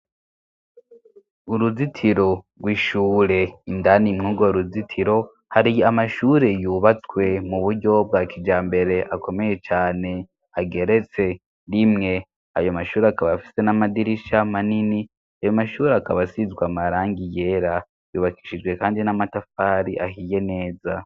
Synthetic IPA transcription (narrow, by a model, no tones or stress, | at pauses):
uɾuzitʰiɾo̞ɡwiʃuːɾeindanimŋuːɡoɾuzitʰiɾo̞ | haɾiamaʃuːɾe̞juːβat͡swe̞muβuɾɟo̞b̚ɡaːkid͡ʒaːmbe̞ɾe̞ʔakʰo̞me̞je̞t͡ʃaːne̞ | aɡe̞ɾe̞t͡se̞ | ɾimŋe̞ | a̰jomaʃuːɾeakaβafi̥se̞namadiɾiʃamanini | ajo̞maʃuːɾeakaβasizɡwamaɾaːŋɡije̞ɾa | jṵβaki̥ʃid͡ʒwe̞kaːndinamatafaːɾiʔa̰hije̞ne̞ːza